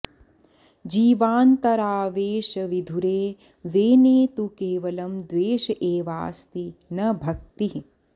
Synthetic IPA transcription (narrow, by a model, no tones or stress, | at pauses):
d͡ʒiːʋaːnt̪ɐɾaːʋeːʃɐʋid̪ʱuɾeː | ʋeːneːt̪ukeːʋɐlɐmd̪ʋeːʃɐʔeːʋa̰ːst̪inɐbʱɐk̚t̪iɦ